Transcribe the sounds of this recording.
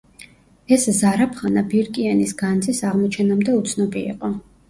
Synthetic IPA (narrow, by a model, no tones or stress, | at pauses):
ɛszaɾapʰχanabiɾkʼianisɡant̪zʰʼisaʁmɔt͡ʃʰɛnamd̪ɛut̪sʰnɔbḭːqʼɔ